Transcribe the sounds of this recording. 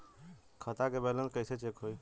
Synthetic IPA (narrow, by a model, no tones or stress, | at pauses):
kʰət̪akebɛlə̃nkəɪset͡ʃekɦoj